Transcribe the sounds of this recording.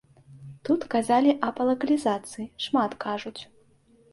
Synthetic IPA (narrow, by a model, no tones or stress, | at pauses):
t̪ut̪kazalʲiʔɐpɐlˠɐkɐlʲizat̪sɨjiʂmat̪kaʐut͡sʲ